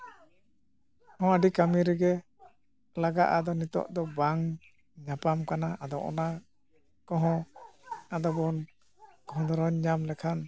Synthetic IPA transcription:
hɔ̃aɖikamiɾɛɡɛ | laɡaʔad̪ɔnit̪ɔ̰ʔd̪ɔbaŋ | ɲapamkanaʔad̪ɔʔɔ̰na | kɔɦɔ̃ | ad̪ɔbɔn | kɔɦɔ̃d̪ɔɾɔɲɲamlɛkʰan

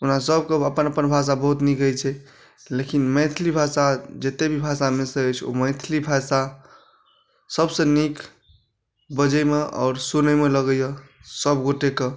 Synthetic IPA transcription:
unasəb̚keəpənəpənbʱas̬abəɦut̪nikəjt͡ʃʰɛ | lekinmə̃ɪt̪ʰlibʱasad͡ʒet̪ebʱibʱasamesəəjt͡ʃʰo̰məɪt̪ʰlibʱasa | səbsẽnik | bəd͡ʒəjmeʔɔ̰ːɾsunəjmeləɡəjəsəbɡoʈeke

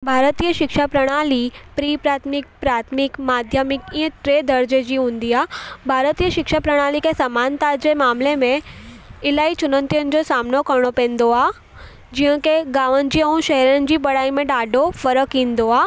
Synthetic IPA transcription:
bʱaːɾət̪iːjəʃɪkʃapɾəɽ̃aːlipɾiːpɾaːt̪ʰmɪk̚pɾaːt̪ʰmɪkmaːd̪ʱjəmɪkĩːə̃ʈɾeːd̪ʱəɾd͡ʑed͡ʑiɦũːnd̪iaːbʱaːɾət̪iːjəʃɪkʃapɾəɽ̃aːlikesəmaːnt̪ad͡ʑemaːmlemẽ | ɪlaːit͡ɕʊnə̃nt̪ijənɪ̆d͡ʑosaːmnokɐɾɽ̃opɛ̃ːn̆d̪oaː | d͡ʑĩːɦə̃keɡaːʋən̆d͡ʑiə̃ũʃɛɦɛɾənɪ̆d͡ʑiːbɐɽaːimẽɖaːɖʱofəɾəkːĩːn̆d̪oaː

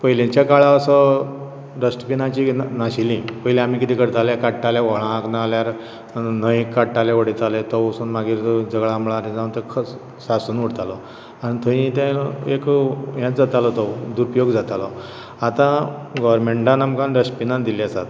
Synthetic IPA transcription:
pəjlẽɲt͡ɕjakaɭaəsɔ | ɖəsʈpinat͡ɕinaɕilĩpəilẽam̤ikit̪iːkəɾt̪aljakaʈʈːaljaʋəɭãknaljaɾ | nəjikːaʈʈːaleʋəɽit̪alet̪ɔosuːnmaɡiːɾd͡zəɡɭaːmɭaɾed͡zãũnt̪əkʰə | sasuːnʋəɽt̪alɔ | anit̪ʰəɦĩt̪ɛ̃ekjãt͡sd͡zat̪alɔt̪ɔd̪uɾupjoɡd͡zat̪alɔ | at̪ãɡɔʋəɾmeɳʈãnamkãnɖəsʈpinãd̪iliasa̰t̪

